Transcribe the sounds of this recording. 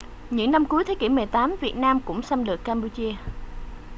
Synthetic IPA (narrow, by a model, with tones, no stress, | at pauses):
ɲɨ̰˧˥ŋna˧mku˨˦əjt̪ʰa˨˦kḭ˧˩mɨ˨˩əjt̪aː˨˦mvi˨˩ət̚naː˧mkʊ̰˧˥ŋ͡msa˧mlɨ˨˩əkːaː˧mpu˧t͡ɕi˧ə